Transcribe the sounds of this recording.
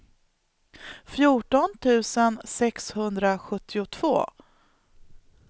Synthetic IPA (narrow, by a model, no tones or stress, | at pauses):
fjuːʈɔnt̪ʰʉ̟ːsənsɛkshɵnd̪ɾaɧɵt̪ʰːɪʊt̪ʰv̥o̰ː